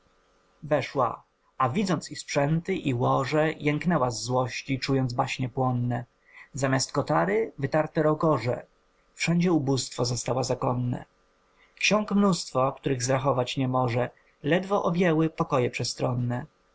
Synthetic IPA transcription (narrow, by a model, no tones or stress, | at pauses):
vɛʂwa̰ | avʲid̪zɔntsispʂɛnt̪ɘʔiwɔʐɛjɛŋknɛwazːwɔɕt͡ɕit͡ʂujɔnd̪zbaɕɲɛpwɔnːɛ | zamʲast̪kɔt̪aɾɘvɘt̪aɾt̪ɛɾɔɡɔʐɛ̰ | fʂɛɲd͡ʑɛubust̪fɔzɔst̪awazakɔnːɛ̰ | kɕɔŋkmnust̪fɔkt̪uɾɘɣzɾaxɔvat͡ɕɲɛmɔʐɛ | lɛd̪vɔʔɔbʲjɛwɘpɔkɔjɛpʂɛst̪ɾɔnːɛ